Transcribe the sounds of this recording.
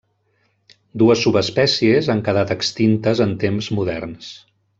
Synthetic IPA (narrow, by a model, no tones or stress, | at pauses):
d̪uəsːuβəspɛsiezaŋkəðat̪əkst̪int̪əzənt̪emzmuðɛrns